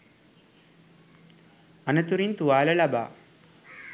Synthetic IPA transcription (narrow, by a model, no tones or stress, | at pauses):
anət̪uɾint̪uʋaːləlaba̰ː